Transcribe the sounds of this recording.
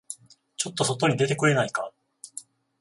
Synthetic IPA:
t͡ɕo̞t̪ːo̞so̞t̪o̞ɲ̟id̪e̞t̪e̞kɯ̟ɾe̞naika

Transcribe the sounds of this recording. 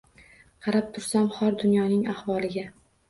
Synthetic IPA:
qʰɑɾap̚t̪ʰʊɾsamχɒɾd̪ʊnjɒnɪŋahvɒlˠɪɡʲa

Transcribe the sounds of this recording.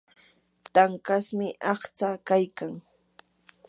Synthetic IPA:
t̪aŋkasmɪʔɑχt͡sakajkaŋ

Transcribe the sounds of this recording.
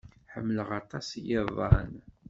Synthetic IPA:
ħəmːləʁɑt̪ˤɑsjəðˤɑn

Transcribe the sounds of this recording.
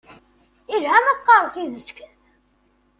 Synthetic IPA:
ilhæmæθqɑɾˤθiðət͡sːk

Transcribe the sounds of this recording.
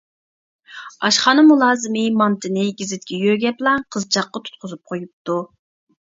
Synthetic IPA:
ɑʃχɑnɨmulˠɑːzɨmɨmɑnt̪ʰɨnɪɡʲɪzɪt̪̚kʲɛjøɡʲɛplˠɑqʰəzt͡ʃʰɑqːɑt̪ʰu̥t̪̚qʰʊzup̚qʰojup̚t̪u

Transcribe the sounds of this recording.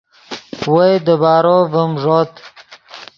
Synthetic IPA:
wojd̪əbɑːɾovəmʐot̪

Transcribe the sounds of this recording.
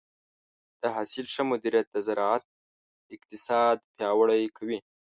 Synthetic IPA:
d̪̥əɦasilʂəmʊd̪iɾijat̪̚d̪əzaɾɑat̪̚ | ɪq̚t̪ɪsɑd̪pjɑwəɽajkʰawi

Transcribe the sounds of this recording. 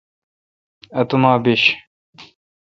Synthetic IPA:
ɐt̪umaːbiɕ

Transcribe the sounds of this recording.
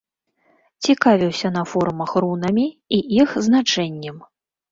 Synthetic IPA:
t͡sʲikavʲiwsʲɐnɐfɔɾmɐxrunɐmʲiiʔixznat͡ʂɛnʲːɐm

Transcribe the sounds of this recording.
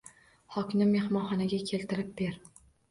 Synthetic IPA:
hɒkʲnɪme̞hmɒnχɒnaɡʲakʲʰe̞lt̪ʰɪɾɪp̚be̞ɾ

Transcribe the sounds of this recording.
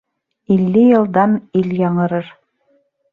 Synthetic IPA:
ilːɘjɤ̆lˠd̪ɑniljɑɴɤ̆ɾɤɾ

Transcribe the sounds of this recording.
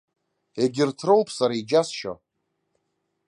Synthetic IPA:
eɡʲɪrtʰrowpʰʼsaɾaid͡ʒasʃo̰

